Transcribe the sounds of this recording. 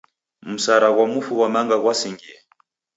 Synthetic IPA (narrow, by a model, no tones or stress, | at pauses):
m̩saɾaɣwamufuɣwamaŋɡaɣwasiŋɡiɛ